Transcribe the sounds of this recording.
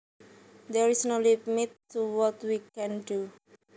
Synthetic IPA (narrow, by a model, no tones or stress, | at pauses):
d̪ɛɹisnolipmitːuwɔtwikɛ̃ndu